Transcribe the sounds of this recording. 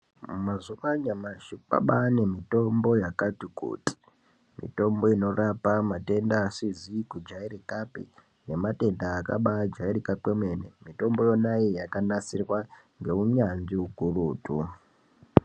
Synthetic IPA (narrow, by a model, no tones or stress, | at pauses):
mazuʋaɲamaʃipa̰ɓane̞mito̞mbo̞jakatikṵːti̥ | mḭto̞mbo̞ino̞rapamate̞ndaːsizikud͡ʒaiɾikapḭ | ne̞mate̞ndaːka̰ɓad͡ʒaiɾikakwemwe̞nemito̞mbo̞jo̞naijakanasirwa | ŋɡe̞uɲanʐiukuruːtʰu